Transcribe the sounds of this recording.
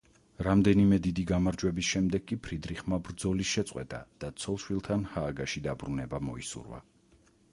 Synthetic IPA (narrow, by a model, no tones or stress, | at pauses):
ɾamd̪ɛnimɛd̪id̪iɡamaɾd͡ʒwɛbisʃɛmd̪ɛɡ̚kːʼipʰɾid̪ɾiχmabɾd̪zɔlisʃɛt̪sʼqʼwɛ̰t̪ʼa̰d̪̥at̪sʰɔlˠʃwilˠt̪ʰanhaːɡaʃid̪abɾunɛbamɔḭsṵɾva̰